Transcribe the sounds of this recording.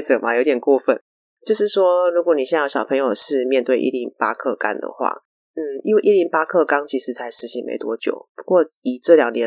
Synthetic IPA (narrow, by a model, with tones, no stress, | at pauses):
t͡sɤ˨˩ma˨jo˧˥ʊt̪jɛ˨˩nkwɔ˥˧fə˥˨˩n | t͡ɕjo˥˧ʊʂɻ̩˥˩ʂwɔ˥ɻu˧˥kwɔ˧˥ni˨˩ɕjɛ˥˩˥jɕjɑ˨˩ɤ˧˥ŋjo˨˩ʊʂɻ̩˥˧mjɛ˥˧nt̪we˥˩ɪʔḭ˥˩li˧˥ŋpa̰˥kʰɤ˥˩ka̰˥nd̪ə̰˨xwa̰˥˩ | n̩˥˩i˦˥we˥˧ɪʔi˥˩li˧˥ŋpa˥kʰɤ˥˩kɑ˥ŋt͡ɕʰi˧˥ʂɻ̩˥˩t͡sʰa˧˥ɪʂɻ̩˧˥ɕi˧˥ŋmḛ˧˥ɪt̪wɔ˥t͡ɕjo̰˨˩˦ʊpu˧˥kwɔ˥˩i˨˩ʈ͡ʂɤ˥˩ljɑ˨˩ŋnjɛ˧˥